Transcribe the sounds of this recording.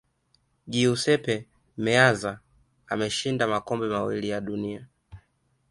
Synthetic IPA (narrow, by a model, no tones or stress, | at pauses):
ɡiusɛpɛ | mɛaza | a̰mɛʃindamakɔmbɛmawḭlijaɗunia